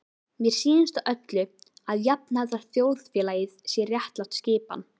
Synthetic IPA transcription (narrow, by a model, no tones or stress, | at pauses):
mjɛɾ̥siːðɪnst̪aʔœt̪lʏaðjap̚naðaɾ̥θjoːwðfjɛːlajɪðsjɛrjaht̪lawt̪scɪːpa̰n